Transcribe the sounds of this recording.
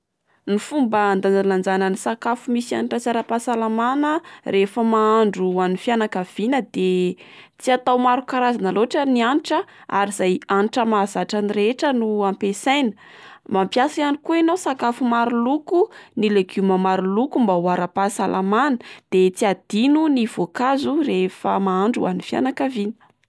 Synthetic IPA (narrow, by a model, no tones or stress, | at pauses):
nifumbəand̪analand͡zanənisakafumisa̰niʈ͡ʂat͡saɾapasalamanərefəmaaɳɖ͡ʐuanifianakav̥inəd̪et͡siat̪awmaɾukaɾazanəloʈ͡ʂənianiʈ͡ʂəa̰ɾizajanʈ͡ʂəmazaʈ͡ʂaniɾeʈ͡ʂənuampesajnə | mampjasajanikuinawsakafumaɾulukunileɡumamaɾulukumbawaɾapasalʔamanəd̪̥et͡siad̪̥inuniv̥okazurefəmaaɳɖ͡ʐṵa̰nifja̰nakavinə̥